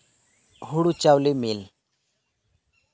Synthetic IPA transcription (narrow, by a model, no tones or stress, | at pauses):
ɦuɽut͡ʃawlimil